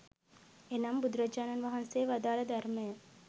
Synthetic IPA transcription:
enɐmbud̪ɾɐd͡ʒaːnɐnʋɐɦɐnseːʋɐd̪aːlɐd̪ɐɾmɐjɐ

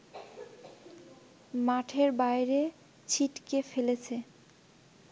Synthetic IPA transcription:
maʈʰeɾbajɾe | t͡ɕʰiʈkefelet͡ɕʰe

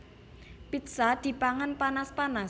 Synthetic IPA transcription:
pit̪sad̪̥i̤paŋanpanaspana

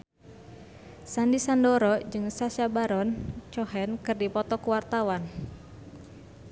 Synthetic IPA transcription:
sandisandɔɾɔd͡ʒɨŋsasabaɾɔnt͡ʃɔɦɛnkɨrdipɔt̪ɔkuwart̪awan

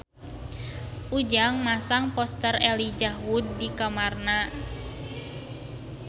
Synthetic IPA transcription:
ʔud͡ʒaŋmasaŋpɔst̪ərɛlid͡ʒawud̚ːikamarna

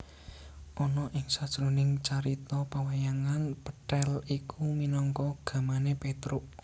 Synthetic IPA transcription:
ʔɔnɔʔɪŋsad̥ʒ̥ɾonɪŋt͡ʃaɾit̪ɔpawajaŋanpəʈɛlikuminɔŋkɔɡ̥a̤manepet̪ɾʊʔ

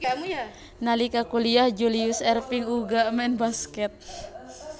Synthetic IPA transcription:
nalikakuliahd͡ʒuliusɛrpiŋuɡaʔmɛnbaskɛt̪̚

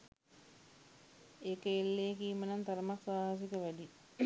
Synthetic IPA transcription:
ekəelːeːkiːmənant̪ɐɾəmaksaːɦas̬ikəʋædi

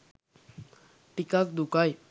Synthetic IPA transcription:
pikak̚d̪ukaj

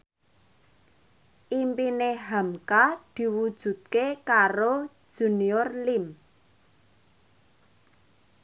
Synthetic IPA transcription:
ʔimpineɦamkad̪̥i̤wud̥ʒ̥ṳt̪̚kekaɾo̥ | ʒ̥ṳniɔrlim

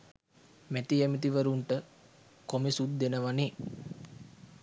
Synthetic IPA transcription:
mæt̪iɛmit̪iʋəɾuɳʈə | komisud̪ːenəʋane

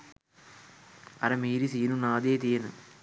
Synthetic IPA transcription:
ɐɾɐmiːɾisiːnunaːd̪eːt̪iːɐnɯ̰

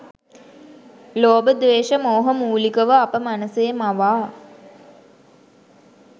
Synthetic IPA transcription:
loːbəd̪ʋeːʃəmoːɦəmuːlikəʋəapəmanəseːmaʋaː

